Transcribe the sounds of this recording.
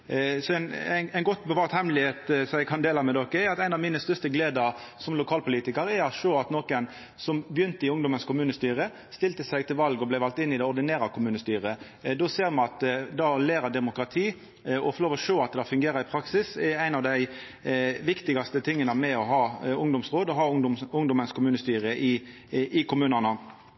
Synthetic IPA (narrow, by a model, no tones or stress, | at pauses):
sɔɛɪnænæɪnɡɔt̪ːbəʋɑːʁt̪hɛmlɪheːt̪sɔjæɪkʰɑnd̪eːlɑmɛd̪ɔkːəɛɾɑt̪æɪnɑʋmiːnəst̪œʁst̪əɡleːd̪əɾsɔmlʊkʰɑːlpʰʊliːt̪ɪkəɾɛɾɑt̪ʂoːɑt̪noːkən | sɔmbjʏnt̪əɪʊŋd̪ɔmənskʰʊmʉːnəst̪yːɾə | st̪ɪlt̪əsæɪɡt̪ʰɪlʋɑlɡɔblæɪʋɑlt̪ɪnːɪd̪ɛɔɾd̪ɪneːɾɑkʰʊmʉːnəst̪yːɾə | d̪ɔseːɾmɑnɑt̪d̪ɑleːɾəd̪ɛmʊkɾɑt̪ʰiː | ɔfɔloːʋɔʂoːɑt̪̚d̪ɛhɑfʉŋɡeːɾəɾɪpʰɾɑksɪsæɪnɑʋd̪æɪ | ʋɪkt̪ɪɡɑst̪ət̪ʰɪŋːənəmɛɔɦɑːʊŋd̪ʊmsʁoːd̪ɔɦɑːʊŋd̪ɔmənskʰʊmʉːnəst̪yːɾəʔɪ | ʔɪkʰʊmʉːnənə